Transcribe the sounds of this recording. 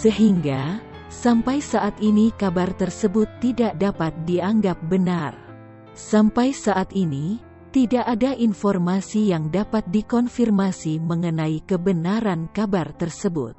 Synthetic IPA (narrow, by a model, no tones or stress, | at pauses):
səɦiŋɡa | sampajsaʔat̪inikabart̪ərsəbʊt̪ːidaʔdapat̪̚diaŋɡap̚bənar | sampajsaʔat̪ini | t̪idaʔadaʔinfɔrmasijaŋdapat̪̚dikɔnfirmasiməŋənaikəbənaɾankabart̪ərsəbʊ̰t̪̚